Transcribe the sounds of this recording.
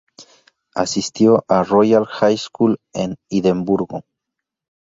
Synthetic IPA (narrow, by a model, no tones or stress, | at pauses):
asist̪joʔarojalxajskuleniðembuɾɣo̰